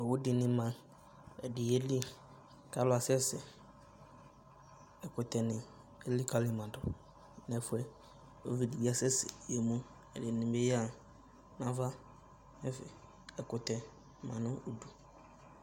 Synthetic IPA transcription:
ɛ˨wʊ˦dɪ˨nɪ̃˨˦mã˨ | ɛ˨dɪ˨e˦li˦ | ka˦lʊ˦a˨sɛ˦sɪ˨ | ɛ˨kʊ˨tɛ˨nɪ̃˨ | e˦li˦kʰa˦lɪ˦˨mã˨dʊ˨ | nɛ̃˨fʊ˦ɛ˦ | o˦vi˨di˨bi˦a˨sɛ˦sɪ̰˨je˨mũ˦ | ɛ˨dɪ˨nɪ̃˨be˦ja˨ | nã˨˦va˦ | nɛ˦fɪ̰˨ | ɛ˨kʊ˨tɛ˨ | mã̰˨nʊ̃˦o˨du˨

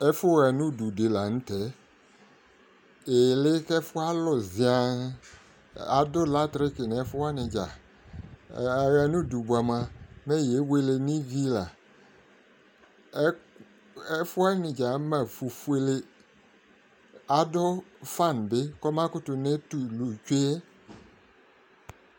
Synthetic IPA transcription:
ɛ˦fʊ˦ɣa˨nʊ̃˦˨du˨de˨la˨n̩˦tɛ˨˦ | e˨lɪ˦kɛ˦fʊ˦a˦lɔ˨zɪ˨a˨ | a˨˦dɔ˦la˦tɾɪ˦kɪ˨n˨ɛ˨˦fʊ˦wa˦nɪ̃˨d͡ʒa˨ | ɣɛ˨nũ˦˨du˨bu˨a˨mã˨mɛ˦˨je˨˦we˦le˦nĩ˦vi˦la˨˦ | ɛ˦fʊ˦a˦nɪ̃˨d͡ʒa˨˦mã˨fu˨fu˦e˦le˦ | a˨dɔ˦fa˦˨n˨bɪ˦kɔ˦ma˦kʊ˦tʊ˨ne˦tu˨lu˨t͡ʃe˦ɛ˦

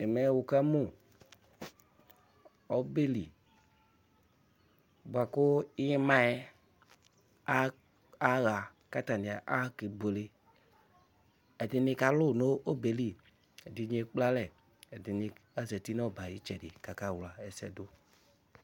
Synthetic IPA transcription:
e˨mɛ˨˦wo˨ka˦mu˦˨ | ɔ˦be˦li˨ | bu˨a˨ko˦i˦ɲe˦mã˦ɛ˦ | a˦ | a˦ɣa˨ | ka˦ta˨ni˨a˨ʔa˦ke˨bo˨le˦ | ɛ˨de˨ne˦ka˨lo˦˨no˦o˦be˨li˦ | ɛ˨di˨˦ɲ˦e˨k͡pla˦lɛ˨ | ɛ˨di˨ni˨a˦zɛ˨ti˦nɔ˦˨ba˨ji˦t͡ʃɛ˨de˨ka˨ka˦˨wla˨ɛ˨sɛ̰˦do˦

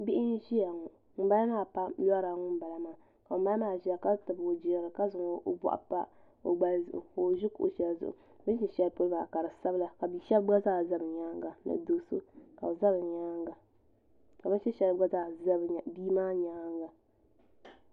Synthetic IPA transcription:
bɪ˦ʔɪ˦n̩˦ʒi˦ja˨ŋɔ˨ | ŋ̩˦ba˦la˦maː˦˨pa˦lɔ˦ɾa˨˦ŋʊ˦m̩˦ba˨la˦maː˨ | ka˨o˨ma˦maː˦˨ʒi˨˦a˨ka˦tɨ˨bo˨d͡ʒi˨ɾɨ˨ka˦zʊ˨ŋo˨˦ʔbɔ̰˨ʔa̰˨pa̰˦ | o̰˨ɡ͡ba˨lzʊ̰˨ʔʊ̰˨o˨ʒʊ˦ko̰˨ʃɛ˨lzʊ̰˨ʔʊ̰˨˦bɨ˦ʃi˨ʃɛ˨lpo˦laː˨ka˨ɾɨ˨sa˦bɨ˦la˨ka˨bi˨˦ʃɛ˦lɡa˦zaː˦˨za˦bɨ˨ɲa˦ŋɡa˨nɨ̰˨do˦so̰˦ka̰˨o˨za˦bɨ˨ɲaː˦ŋɡa˨ | ka˨ba˦ʃɛ˦ʃɛ˦lɡa˦zaː˦˨za˦bbi˦maː˦ɲa˦ŋ˦ɡa˨

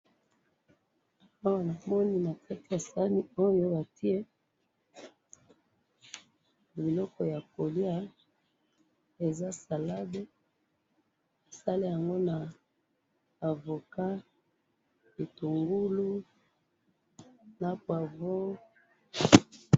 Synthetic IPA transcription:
a˦wa˨na˨mɔ˦ni˦na˨kʰa˦ti˨ja˨sa˦ni˦o˦jo˦ba˨ti˦e˦ | bi˨lɔ˦kɔ˨ja˨ko˨li˦a˦ | e˨za˦sa˨la˦be˦ | a˨sa˦le˦ja˨ŋɡo˦na˨ | vo˨ka˦ | i˨tu˨ŋɡu˦lu˦ | na˨pwa˨vo˦

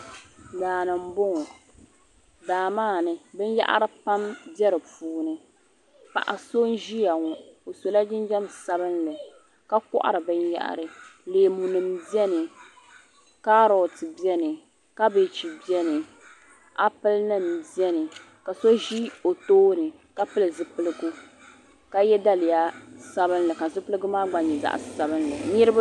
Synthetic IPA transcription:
laː˨nɨ˨m̩˦bo˦ŋɔ˨ | daː˨maː˦˨nɨ˨bɨ˦n˦ja̰˦ʔa̰˦ɾɨ˦pa˦mbɛ˦ɾɨ˨puː˨˦nɨ˨ | pa̰˨ʔa˨so˦n˦ʒi˦ja˨ŋɔ˨o˨so˨la˦d͡ʒɪ˦n˦d͡ʒɛ˦msa˦bɨ˦nlɨ˨ | ka˦kʊ̰˦ʔa̰˦ɾɨ˨bɨ˦nja̰˦ʔa̰˨ɾɨ˨leː˨mu˨nɨ˨mbɛ˦nɨ˨ | kaː˦ɾɔ˨tɨ˨bi˦ɛ˦nɨ˨ | ka˦be˨t͡ʃi˨bi˦ɛ˦nɨ˨ | a˦pɨ˦lnɨ˦m˨bi˦ɛ˦nɨ˨ | ka˨so˦ʒi˦o˨toː˦nɨ˨ | ka˦pɨ˦lɨ˨zɨ˦pɨ˦lɨ˦ɡu˦ | ka˦jɛ˦da˦lɪ˨ja˦sa˦βɨ˦n˦lɨ˨ka˨zʊ˦pɨ˦lɨ˦ɡʊ˦maː˦ɡ͡ba˨ɲɛ˨za̰˨ʔsa˨bɨ˦n˦lɨ˨nɪ˦ɾɨ˦ba˦

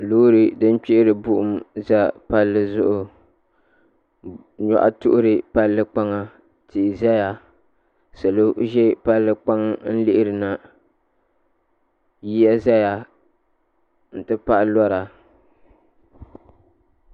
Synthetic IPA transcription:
luː˦ɾɨ˨dɨ˦n˦k͡pɪ˦ʔɪ˦ɾɨ˨bʊ˦ʔʊ˦mza˦pa˦lːɨ˦zʊ˦ʔʊ˨ | ɲɔ̰˨ʔa̰˦tʊ̰˦ʔʊ˦ɾɨ˨pa˦lːɨ˦k͡pa˦ŋa˦ | ti˨za˦ja˨ | sa˨lo˦ʔʒɛ˦pa˦lːɨ˦k͡pa˦ŋn̩˦lɪ˦ʔɪ˦ɾɨ˨na˨ | ji˦ja˦za˦ja˨ | n̩˨tɨ˦pa˦ʔlɔ˦ɾa˨

